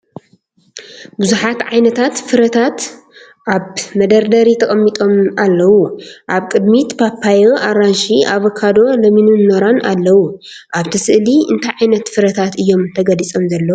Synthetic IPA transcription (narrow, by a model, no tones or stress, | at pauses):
bɨzuħat̪ʕajnɐt̪ʰat̪fɨɾɐt̪ʰat̪ | ʔaβmɐd̪ɐɾd̪ɐɾit̪ʰɐkʼɐmːit̪ʼo̞mʔalːɐwuʔaβkʼɨd̪mit̪pʰapʰːajoʔaɾanʃiaβɐkʰːad̪o̞lɐminunːoɾanalːɐwu | ʔaβt̪ʰɐsɨʔliɨnt̪ʰajʕajnɐt̪fɨɾɐt̪ʰat̪ɨjːo̞mt̪ʰɐɡɐlit͡sʼo̞mzɐlːɐw